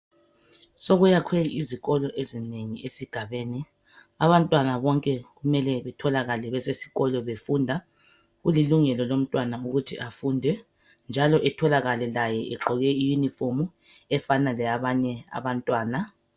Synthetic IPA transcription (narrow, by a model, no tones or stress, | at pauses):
soɣujakʰweɣiiziɣɔlɔʔezineŋiesiɡ̥ʱaβeːni | aβantʼwanaβɔŋkʼɛɣumɛlɛβɛtʰɔlaɣalɛβɛsesi̥ɣɔlɔβefundʱa | ɣuliluŋɛlɔlom̩tʼwanauɣutʰiʔafuːndʱɛ | nd͡ʒʱalɔʔɛtʰɔlaɣalɛlajɛʔɛǁɔɣɛijunifomu | ɛfanalɛaβaɲɛa̰βantʼwaːna